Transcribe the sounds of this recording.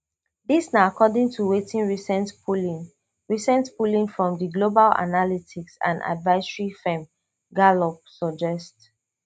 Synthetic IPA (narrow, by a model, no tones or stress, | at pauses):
ðisnaakʰɔdĩŋtʰuwetĩnɹisɛ̃ntpulĩn | ɹisɛ̃ntpulĩŋfɹɔ̃mdiɡlobala̰nalitiksã̰nda̰dvaɪsɹifɛ̃m | ɡalɔp̚sɔd͡ʒɛst